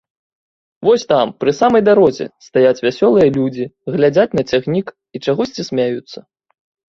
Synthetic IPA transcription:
vɔsʲt̪ampɾɨsamɐjd̪aɾɔzʲɛ̰st̪ajat͡sʲvʲasʲɔlˠɨjɐlʲud͡zʲiɣlʲad͡zʲat͡sʲnɐt͡sʲaɣnʲik | it͡ʂaɣɔsʲt͡sʲisʲmʲajut̪sːɐ

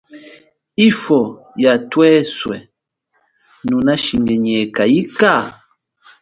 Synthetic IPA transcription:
ifɔ | jatwɛswɛ̰ | nũnaʃiŋɡɛɲɛkajika

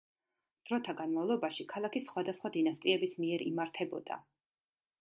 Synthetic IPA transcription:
d̪̥ɾɔt̪ʰaɡanmavlˠɔbaʃikʰalˠakʰisχwad̪asχwad̪inast̪ʼiɛbismiɛɾḭmaɾt̪ʰɛbɔd̪̥a̰

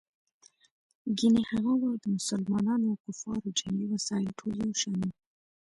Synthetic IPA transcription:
ɡinehaɣawald̪əmʊsalmɑnɑnoakufɑɾod͡ʒamɡiwasɑɪlʈʰozawʃani

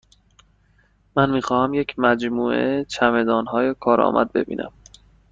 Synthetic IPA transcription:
mænmiːxɒːhæmjecʰmæd͡ʒmuːʔet͡ʃʰæme̞d̪ɒːnɦɒːjekʰɒːɾɒ̰ːmʔæ̰d̪̚be̞̰bḭːnʔæ̰m

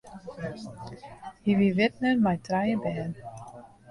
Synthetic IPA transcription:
hivivɪtnərmajtrajəbɛːn

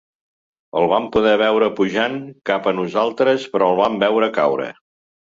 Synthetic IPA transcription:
əlˠβampuðɛβ̞ɛwɾəpuʒaŋkapənuzalˠt̪ɾəspɾɔəlˠβambɛwɾəka̰wɾə̰

